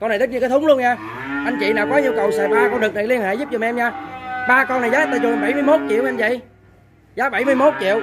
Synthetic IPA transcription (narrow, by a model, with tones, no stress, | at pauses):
kɔ˧na˨˩t̪i˦˥ɲ˧kaː˨˦t̪ʰʊ˨˦ŋ͡mlu˧ənɲaː˧ | ʔa˧jŋ̟t͡ɕḭ˧˨naː˨˩wkɔ˨˦ɲi˧əwkə˨˩wsɛ̰˧˥ɓaː˧kɔ˧nɗɨ˨˩k̚na˨˩jli˧ənhḛ˧˨˩zu˦˥p̚t͡ɕɔ˨˩m˨ʔɛ˧mɲaː˧ɓaː˧kɔ˧na˨˩jzaː˨˦˧t̪aː˧˩t͡ɕɔ˨˩˧ɓa˧˩jmɨ˧əjmo˦˥t̚t͡ɕḭ˧˨əwʔɛ˧mzə̰˧˨j | zaː˨˦˥ɓə˧˩jmɨ˧jmo˦˥t̚t͡ɕḭ˧˨əw